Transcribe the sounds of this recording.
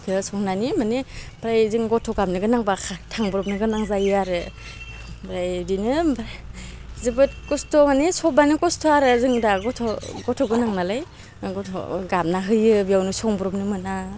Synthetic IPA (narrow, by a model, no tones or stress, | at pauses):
kʰɯsɔŋnanimanibʰɾajzɯŋɡɔtʰɔɡamnɯɡɯnaŋbakʰatʰaŋbuɾɔp̚nɯɡɯnaŋzajɯaɾɯ | bɾajdinɯbɾajzɯbɯt̚kɔstʰɔmanisɔbanikɔstʰɔaɾɯzɯŋdaɡɔtʰɔɡɔtʰɔɡɯnaŋnalaj | ɡɔtʰɔ̰ɡamnaɦɯjɯbijawnɯsɔŋbuɾɔp̚nɯmɯna